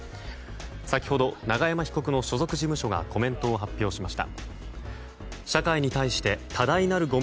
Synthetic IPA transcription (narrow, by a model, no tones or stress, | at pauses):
sakʲi̥ho̞d̪o̞naɡajamaçi̥ko̞kɯ̟no̞ɕo̞zo̞kɯ̟ʑimɯ̟ɕo̞ɡa̰ko̞mẽ̞nt̪o̞ːɦapʲːjo̞ːɕimaɕi̥t̪a̰ | ɕakaiɲ̟it̪aiɕi̥t̪e̞t̪ʰad̪ainaɾɯ̟ɡo̞